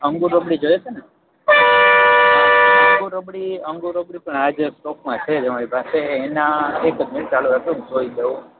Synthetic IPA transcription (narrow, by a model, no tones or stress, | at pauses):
əŋɡuɾəbɽid͡ʒojet͡ʃʰene | əŋɡuɾəbɽiəŋɡuɾəbɽipəɳad͡ʒsʈokmãt͡ʃʰed͡ʒemaɾipaseːnaekd͡ʒmiʈt͡ʃaluɾakʰoũd͡ʒoid̪eũ